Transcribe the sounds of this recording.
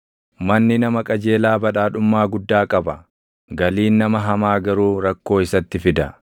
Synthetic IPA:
mɐnːɪnɐmɐkʼɐd͡ʒe̞ːlaːbɐᶑaːᶑʊmːaːɡʊd̪ːaːkʼɐbɐ | ɡɐliːnːɐmɐɦɐmaːɡɐɾuːɾɐkːo̞ːɪsɐt̪ːɪfɪd̪ɐ

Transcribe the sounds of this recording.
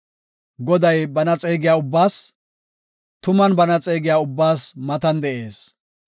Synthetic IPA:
ɡɔd̪ɐjbɐnɐt͡sʼeːɡɪjaːʊbːaːs | t̪ʊmɐnbɐnɐt͡sʼeːɡɪjaːʊbːaːsmɐt̪ɐnd̪ɛʔe̞ːs

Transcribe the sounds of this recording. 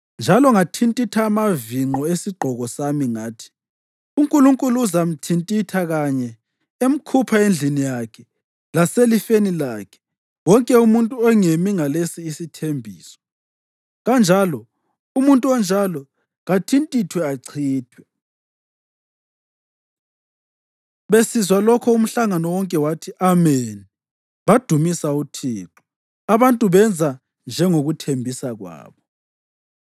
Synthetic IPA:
nd͡ʒʱalɔŋatʰintʼitʰaːmaviŋ͡ǃʱɔesiɡ͡ǃʱɔɣɔsamiŋaːtʰi̥ | uŋkʼuluŋkʼuluːzam̩tʰintʼitʰaɣaɲɛ | em̩kʰupʰaend͡ɮʱinijakʰɛ̥ | laselifenilakʰɛ̥ | wɔŋkʼɛumuntʼuɛŋemiŋalesiːsitʰembʱiːsɔ̥ | ɣand͡ʒʱalɔ | umuntʼuɔnd͡ʒʱalɔ | ɣatʰintʼitʰwɛaǀʰiːtʰwɛ | βesizwalɔkʰɔum̩ɬaŋanɔwɔŋkʼɛwatʰiʔameni | βad̥ʱumisautʰiːǁu̥ | aβantʼuβɛnd͡zʱa | nd͡ʒʱɛŋoɣutʰembʱisaɣwa̰ːβɔ

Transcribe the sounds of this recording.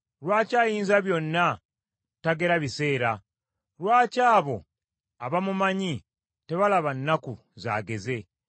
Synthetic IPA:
ɾwaːcaːjiːnzaβjo̞nːa | taɡe̞ɾaβise̞ːɾa | ɾwaːcaːβo̞̰ | aβamumaɲi | te̞βalaβanːaku | za̰ːɡe̞ze̞

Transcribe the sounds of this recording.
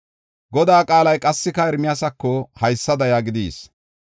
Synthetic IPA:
ɡɔd̪aːkʼaːlɐjkʼɐsːɪkɐɛɾmɪjɐsɐkːɔhɐjsːɐd̪ɐjaːɡɪd̪ḭːs

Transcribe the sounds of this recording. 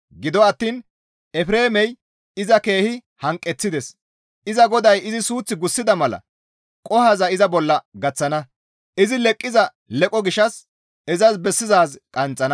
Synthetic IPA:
ɡɪd̪ɔɐt̪ːiːn | ɛfɾe̞ːmɛj | ɪzɐke̞ːhɪ | hɐŋkʼːɛt͡sːɪd̪ɛs | ɪzɐɡɔd̪ɐjɪzɪsuːt͡sːɪɡʊsːɪd̪ɐmɐlɐ̰ | kʼɔhɐzɐɪzɐbɔlːɐɡɐt͡sːɐnɐ | ʔɪzɪlɛkʼːɪzɐ | lɛkʼɔɡɪʃɐs | ɛzɐsbɛsːɪzaːzkʼɐnt͡sʼːɐnɐ

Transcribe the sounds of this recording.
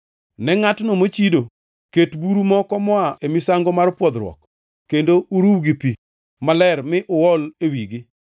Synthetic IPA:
nɛŋatnomot͡ʃido | ketbuɾumɔkɔmɔaʔemisaŋɡomarpwɔd̪ɾwɔ̰k | kːendouɾuwɡipi | malɛrmɪʔʊwɔlewiɡɪ

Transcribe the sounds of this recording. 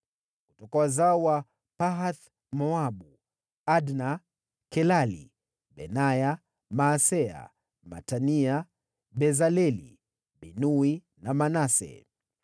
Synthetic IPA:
kutɔkawazawa | paɦat̪ | mɔaɓu | adna | kɛlalḭ | ɓɛ̰naja | maːsɛa̰ | ma̰tania | ɓɛzalɛlḭ | ɓinui | namanasɛ̰

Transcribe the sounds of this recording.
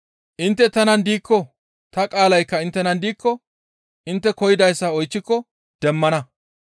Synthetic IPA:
ʔɪnt̪ːɛt̪ɐnɐnd̪iːkːɔ | t̪ɐkʼaːlɐjkːɐɪnt̪ːɛnɐnd̪iːkːɔ | ʔɪnt̪ːɛkɔjɪd̪ɐjsːɐɔjt͡ʃːɪkːɔ | d̪̥ɛmːɐnɐ

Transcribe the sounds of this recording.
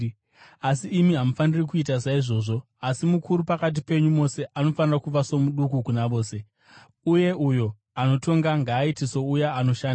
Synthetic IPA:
asiːmiɦamufanirikuit̬asaiʐo̞ːʐo̞ | asimukuɾupakat̬ipe̞ɲumo̞se̞ʔano̞fanirakuʋaso̞muɗukukunaʋo̞ːse̞ | uje̞ujo̞ | ano̞to̞ŋɡaŋɡaːitiso̞ujaano̞ʃaːnda

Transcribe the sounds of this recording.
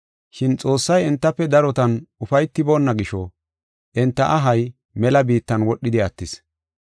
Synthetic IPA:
ʃɪnt͡sʼo̞ːsːɐjɛnt̪ːɐpːɛd̪ɐɾɔt̪ɐnʊfɐjt̪ːɪboːnːɐɡɪʃɔ | ʔɛnt̪ːɐʔɐɦɐj | mɛlɐbiːt̪ːɐnwɔɗːɪd̪ɪɐt̪ːɪs

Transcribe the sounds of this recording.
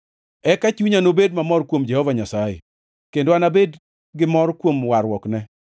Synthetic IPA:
ɛkat͡ʃuɲanobedmamɔɾkwomd͡ʒɛhɔvaɲasajḛ | kendoanabed | ɡɪmɔɾkwomwaɾwɔknɛ

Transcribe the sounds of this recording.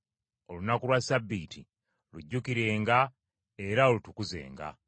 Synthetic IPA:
o̞lunakulwasabːiːti | luɟːukiɾe̞ːŋɡa | e̞ɾaolutukuze̞̰ːŋɡa̰

